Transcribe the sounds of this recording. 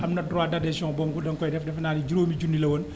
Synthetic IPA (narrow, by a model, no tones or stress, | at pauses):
ʔɐmnɐdɾwaːdɐdɛsɔːŋbɔmkudɐŋkɔjdɛfdɛfnaːnid͡ʒiɾoːmid͡ʒunːilɐwɔn